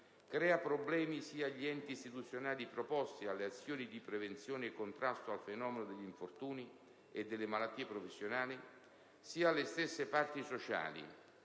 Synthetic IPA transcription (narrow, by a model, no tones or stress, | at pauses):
kɾɛːapɾoblɛːmisiːaʎːiɛnt̪iːst̪it̪ut̪sːjonaːlipɾopɔst̪ialːeat̪sːjoːnid̪ipɾevent̪sjoːneːkːont̪ɾast̪oalfenɔːmenʊd̪eʎːiɱfort̪uːni | ed̪ːelːemalat̪ːiːepɾofesːjonaːli | siːalːest̪esːepart̪isot͡ʃa̰ːlḭ